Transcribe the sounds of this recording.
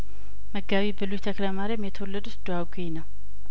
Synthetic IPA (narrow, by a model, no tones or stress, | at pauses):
məɡaβibɨlujt̪ʰəkləmaɾemjɛt̪ʰəwolːəd̪usd̪uaɡʷenəw